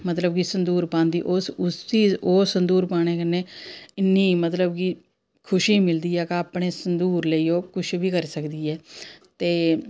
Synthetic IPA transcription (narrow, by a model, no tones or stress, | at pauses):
mət̪ləb̚kisənd̪uːɾpãːnd̪iːʔosʊst͡ʃiːzoːsənd̪uːɾpaːɽ̃eːkənːeːɪnːĩːmət̪ləbki | kʰʊʃiːmɪld̪iːɛːkaːpɽeːsənd̪uːɾləiːoːkʊt͡ʃʰbiːkəɾsəkd̪iːɛːt̪eː